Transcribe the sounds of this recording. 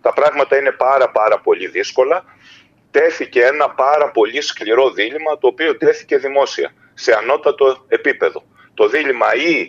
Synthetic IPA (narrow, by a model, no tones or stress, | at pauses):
t̪ɐpɾɐɣmɐt̪ɐine̞pɐɾɐpɐɾɐpo̞ʎiðisko̞lɐ | t̪e̞θice̞e̞nɐpɐɾɐpo̞ʎiskliɾo̞ðilimɐt̪o̞ːpiot̪e̞θi̥ce̞ðimo̞siɐ̰ | se̞ɐno̞t̪ɐt̪o̞e̞pipe̞ðo̞ | t̪o̞ðilimɐi